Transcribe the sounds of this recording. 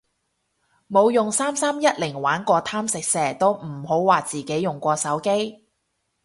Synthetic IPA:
mo˨˧wjʊ˨˩ŋsaː˥msaː˥mjɐ˥t̚lɪ˨˩ŋwaː˨˥nkʷɔː˧t̪ʰaː˥msɪ˨k̚sɛː˨t̪o˥wm̩˨˩ho˨˥wwaː˨t͡siː˨˩ke˨˥jʊ˨˩ŋkʷɔː˧sɐ˨˥wke˥j

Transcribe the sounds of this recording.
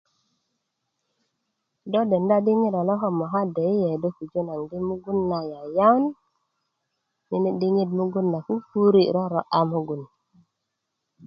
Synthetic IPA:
do˦de˨nda˦ɗi˦ŋi˦ɾa˨lo˦ɦo˦mɔ˨ɦa˦de˨i˦je˨do˦ku˨d͡ʒo˦na˨ŋɡi˦mu˦ɡu˦nːa˨ja˨ja˦n | ni˨ni˦ɗi˦ŋi˦dmu˦ɡu˦nːa˨ku˦fu˦ɾi˦ɾo˦ɾo˨ʔa˦mu˦ɡu˨n

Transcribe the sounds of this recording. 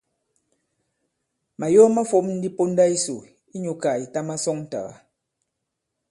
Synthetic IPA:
ma˨jɔ˦ma˦fo˦mn̩˦di˦po˦n˦da˦i˦su˨ | i˦ɲu˨ka˨i˨ta˦ma˦sɔ˦ŋn̩˦ta̰˨ɣa̰˨

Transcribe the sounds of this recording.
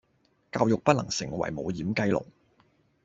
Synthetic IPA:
kaː˧wjʊ˨k̚pɐ˥t̚lɐ̰˨˩ŋsɪ˨˩ŋwɐ̰˨˩jmo˨˧wjiː˨˥mkɐ˥˧jlʊ̰˨˩ŋ

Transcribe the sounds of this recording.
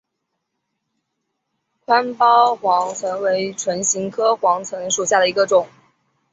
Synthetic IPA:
kʰwa˥npɑ˥ʊxwɑ˧˥ŋt͡sʰə˧˥nwe˧˥ɪʈ͡ʂʰwə˧˥nɕi˧˥ŋkʰɤ˥xwɑ˧˥ŋt͡sʰwə˧˥ŋʂu˨˩ɕja˥˩d̪ə˩i˧˥ɡə˧ʈ͡ʂʊ˨˩˦ŋ

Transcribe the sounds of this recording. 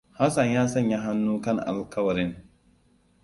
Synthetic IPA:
ha˦sɐ˨ɲjaː˦sɐ˦ɲjaː˦ɦa˦nːuː˦kɐ˦˨ŋʔa̰˨lkɐ˦wɐ˨ɾɪ˦ŋ

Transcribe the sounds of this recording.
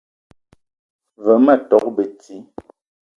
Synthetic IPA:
və˨˦mə˦˨tɔ˨˦k̚bə˨t͡si˨˦

